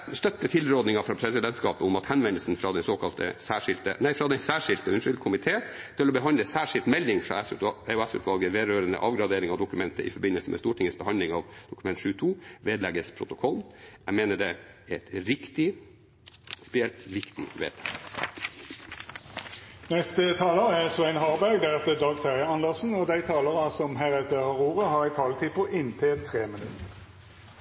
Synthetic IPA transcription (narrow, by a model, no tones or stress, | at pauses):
st̪œt̪ːət̪ʰɪlɾoːd̪nɪŋɑfɾɑːpʰɾɛsɪd̪ɛnt̪skɑ̰ːpəʊmɑt̪hɛnʋɛnəlsn̩fɾɑːd̪ɛnsoːkʰɑlt̪ʰə̰sæːʂɪlt̪ə̰næɪfɾɑd̪ɛnsæːʂɪlt̪əʉnʂʏlkʰʊmɪt̪ʰeːt̪ʰɪlɔbəɦɑnd̪əsæːʂɪlt̪mɛld̪ɪŋfɾɑ̰ɛɛʊɛsʉ̰ːt̪ʋɑlɡəʋeːɾøːɾənə̰ʔɑːʋɡɾɑd̪eːɾɪŋɑʋd̪ʊkʉmɛnt̪əʔɪ̰fɔɾbɪnəlsəmʔɛ̰st̪uːʈʰɪŋːəsbəhɑnd̪ɪŋɑʋd̪ʊkʉmɛnt̪ʃʉːt̪ʰuːʋeːd̪lɛɡəspʰɾʊt̪ʊkʰɔlːæmeːnəɖɛɛt̪ɾɪkt̪ɪ | spɛjɛlt̪ɾɪkt̪ɪ̰ʋḛːt̪ʰɑ̰l | nɛst̪ət̪ʰɑːləʁəɛsɔæɪnɦɑːʁbæɡd̪æʁɛt̪əd̪ɑːɡt̪ʰæʁəɑnd̪əʁsn̩ɔd̪æɪt̪ʰɑːləʁɑsɔmɦæːʁɛt̪əhɑʁuːʁəhɑːʁæɪt̪ʰɑːlt̪ʰiːpɔʔɪnt̪ʰɛt̪ʰʁeːmənʉ̰t̪ə